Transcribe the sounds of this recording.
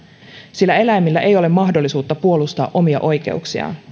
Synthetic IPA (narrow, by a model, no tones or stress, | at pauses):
silːæe̞læjmːilːæʔe̞jo̞le̞mːɑɦdo̞lːˑisuːt̪ːɑpuo̞lust̪ɑ̰ːʔo̞miɑ̰ʔo̞jk̟e̞̰uksiɑ̰